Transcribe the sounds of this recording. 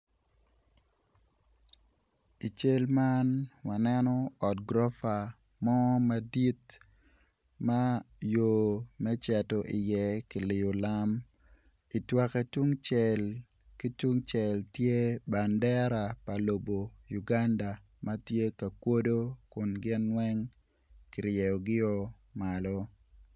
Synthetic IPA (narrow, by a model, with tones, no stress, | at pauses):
i˨t͡ʃe˦lma˦nwa˨nɛ˦nɔ˦ɔ˨tɡɾɔ˦fa˨ | mɔ˦ma˦di˦t | ma˦jo˨mɛ˦t͡ʃɛ˨tɔ˨ʔɪ˨jɛ˦ki˨lɪ˨o˨la˦m | i˨twa˦kɛ˦tu˦ŋt͡ʃɛ˨l | ki˦tu˦ŋt͡ʃɛ˨ltje˦ba˨ndɛ˦ɾa˨pa˨lo˨bo˨ju˨ɡa˦nda˨ | ma˦tje˦ka˨kwo˦do˦kʊ˨nɡɪ˦nwɛ˦ŋ | kɪ˨ɾjɛ˨ɔ˨ɡɪ˦ɔ˦ | ma˨lɔ˦